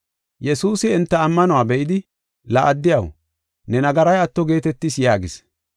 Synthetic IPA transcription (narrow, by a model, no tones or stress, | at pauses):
jɛsuːsɪːnt̪ːɐɐmːɐnʊwaːbɛʔɪd̪ɪ | lɐʔɐd̪ːɪjɐ̰w | nɛnɐɡɐɾɐjɐt̪ːɔɡe̞ːt̪ɛt̪ːɪsjaːɡɪs